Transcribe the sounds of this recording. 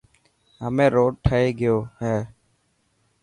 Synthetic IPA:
ɦəmẽːɾoːɖ̚ʈʰəeːɡɪjoːɦɛː

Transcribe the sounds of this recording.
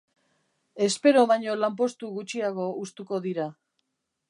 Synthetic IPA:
e̞spe̞ɾo̞βaɲo̞lamp̬o̞st̪uɣut͡ʃiaɣo̞ust̪uko̞ðiɾa

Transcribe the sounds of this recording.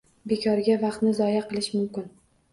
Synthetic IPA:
bekʰɒɾɡʲavɑqt̪nɪzɒjaqɨlˠɪʃmʊmkʲɪn

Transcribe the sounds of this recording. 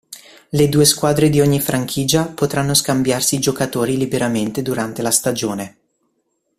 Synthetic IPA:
led̪uːeskwaːd̪ɾed̪ioɲːifɾʔaŋkʰiːd͡ʒapot̪ɾanːoskambjarsiːd͡ʒokat̪oːɾilibeɾament̪ed̪uɾant̪elast̪ad͡ʒoːne

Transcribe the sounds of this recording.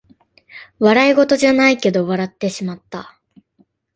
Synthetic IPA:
βaɾaiɡo̞t̪o̞ʑanaike̞d̪o̞βaɾat̪ːe̞ɕimat̪ːa

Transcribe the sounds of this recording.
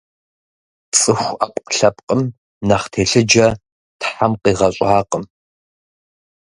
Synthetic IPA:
t͡sʼɨxʷɐpʼqɬɐpʼqʼəm | nɐχtʰeːɬɨd͡ʒɐ | tħamqiːʁɐɕʼaːqəm

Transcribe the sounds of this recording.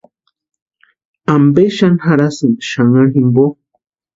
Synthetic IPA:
ambeʃanhaɾasɨnʃaŋaɦimbo

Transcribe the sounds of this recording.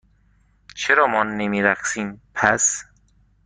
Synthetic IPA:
t͡ʃʰeɾɒːmɒːnːemiːɾæxsiːmpʰæs

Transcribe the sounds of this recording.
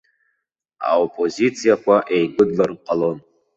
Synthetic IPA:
a̰opʼo̞zit͡sʰijakʷʰaʔejɡʷʊdlarqʼalo̞n

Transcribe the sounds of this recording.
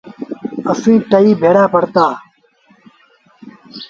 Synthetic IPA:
əsĩːʈəiːbʱeːɽaːpəɽt̪aː

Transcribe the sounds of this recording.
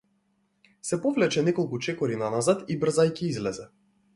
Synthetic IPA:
sɛpɔvlɛt͡ʃɛnɛkɔlˠkut͡ʃɛkɔɾinanazat̪ibr̩zajciizlɛzɛ

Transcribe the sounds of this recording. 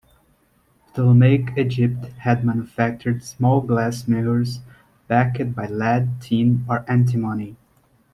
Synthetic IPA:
ðələmeɪkʰid͡ʒɪp̚thɨd̚mæ̃nufæk̚t͡ʃə˞dsmɔlˠɡlæsmeʊə˞z | b̥ækɨt̚baɪlæd̚tʰĩnə˞ʔæ̃ntʰimõni

